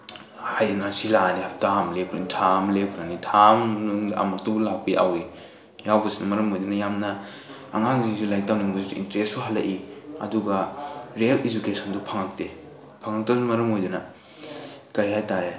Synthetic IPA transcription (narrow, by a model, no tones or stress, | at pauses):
hajɾinasilaniap̚tamlekʰɾɐnitʰamlep̚kʰɾanitʰama̰maɾ̚tubulak̚piʔa̰wi | jawbɐsinɐmɐɾɐmojdunɐjamnɐ̰ː | ŋaŋzisulajk̚tawniŋbɐsusuḭntɾessuɦalːɐʔiɐ̰duɡɐɾealid͡ʒukesɐndupʰaŋɐk̚te | pʰaŋɐk̚tɐsumɐɾɐmojdunɐ | kɐɾihajtaɾe